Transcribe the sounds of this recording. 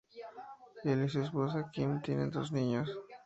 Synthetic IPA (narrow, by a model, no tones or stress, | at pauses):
delis̬espos̬akimt̪enḛd̪o̰sniɲos